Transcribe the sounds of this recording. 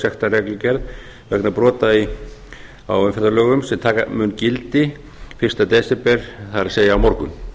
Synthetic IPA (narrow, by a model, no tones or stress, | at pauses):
sjɛxt̪arɛklʏcɛɾð | vɛknapɾɔːt̪ai | a̰wʏnfɛɾt̪ɾalœːɣʏmsɛmt̪ʰaːkamʏncɪlt̪ɪ | fɪrst̪at̪ɛːsɛpɛɾ̥θaðɾaɾ̥seːjaːwmɔɾkʏm